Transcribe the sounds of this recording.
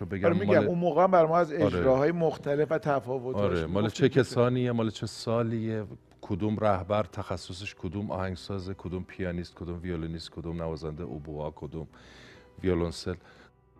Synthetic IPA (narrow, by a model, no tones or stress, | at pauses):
obeɡæmmiːæmunmoːɣeæmbæɾmɒːæzed͡ʒɾeɾɒːɦɒːjemoxt̪ʰælefæt̪ʰæfɒːvot̪ɒɾemɒːlet͡ʃʰekʰesɒːnijemɒːlet͡ʃʰe̞sɒːlie | kʰod̪uːmɾæhbæɾt̪ʰæxæsːos̬eʃkʰod̪umɒ̰ːhæŋɡsɒːzekʰod̪umpʰijɒːniːst̪̚kʰod̪umvioloniːst̪̚kʰod̪umnævɒːzænd̪eʔobuɒːkʰod̪uːmviolonsel